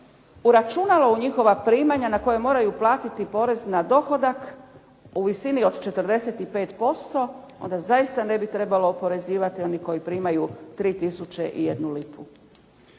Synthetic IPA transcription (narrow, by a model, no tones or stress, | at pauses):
uɾat͡ʃunalouɲixo̞ʋapɾiːmaɲanako̞jemo̞ːɾajuplˠaːt̪it̪ipo̞ɾe̞znad̪o̞xo̞d̪ak | uʋisinio̞d̪t͡ʃe̞t̪ɾd̪e̞set̪ipe̞ːt̪po̞st̪o̞ | o̞̰nd̪azaist̪ane̞bit̪ɾe̞balo̞ːpo̞ɾe̞ziːʋat̪io̞niko̞jipɾiːmajut̪ɾiːt̪isut͡ʃeʔḭje̞d̪nulipʰu